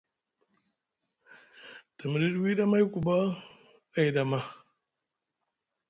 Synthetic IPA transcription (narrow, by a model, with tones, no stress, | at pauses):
ta˨mi˨ɾi˦dwi˦da˦ma˦jku˨ba˦ | a˨i˨da˨ma˦